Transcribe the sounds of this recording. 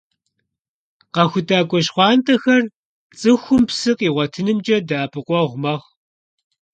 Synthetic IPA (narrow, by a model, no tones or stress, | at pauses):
qɐxʷʊtʰʼaːkʷʼɔʃχʷɑːntʰʼɐxɐr | t͡sʼɨxʷʊmpsɨqʼiːʁʷɔtʰɨnɨmd͡ʒʼɐdaːpʰɨqʷʼɔʁʷʊmɐʁ